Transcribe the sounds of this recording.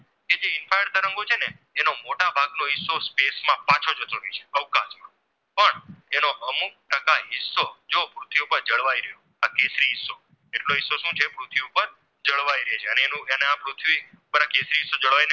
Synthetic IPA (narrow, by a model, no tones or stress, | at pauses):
ked͡ʒeɪnfajəɾt̪əɾəŋɡot͡ʃʰeneː | nomoʈabʱaɡnoɦɪsːospesmãpãt͡ʃʰod͡ʒət̪ʰoɾit͡ʃʰe̥əʋkasmã | pəɳenoʔəmuk̚ʈəkaɦɪsːod͡ʒopɾut̪ʰʋiupəɾd͡ʒəɭʋaiɾəɦjo | akesɾiɦɪsːo | eʈloɦɪsːoʃũt͡ʃʰepɾut̪ʰʋiupəɾ | d͡ʒəɭʋaiɾəɦet͡ʃʰeəneːnũeneapɾʊt̪ʰʋi | upəɾakesɾiɦɪsːod͡ʒəɭʋaine